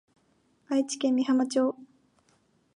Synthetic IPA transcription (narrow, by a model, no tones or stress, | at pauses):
ait͡ɕi̥kẽmːʲiɦamat͡ɕoː